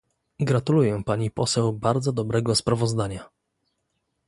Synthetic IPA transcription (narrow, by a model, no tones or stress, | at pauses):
ɡɾat̪ulujɛpaɲipɔsɛwbaɾd̪zɔd̪ɔbɾɛɡɔspɾavɔzd̪aɲa